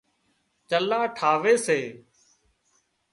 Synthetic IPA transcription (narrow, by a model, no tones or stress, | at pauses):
t͡ʃəlaːʈʰaːʋeːseː